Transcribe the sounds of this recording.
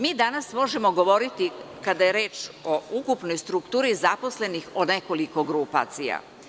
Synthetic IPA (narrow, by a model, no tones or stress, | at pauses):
miːd̪anasmo̞ʒemo̞ɡo̞ʋo̞ɾit̪i | kad̪ajeɾe̞ːt͡ʃo̞ukupnojst̪ɾukt̪uːɾizapo̞sle̞nixod̪neko̞liko̞ɡɾupa̰t̪sija̰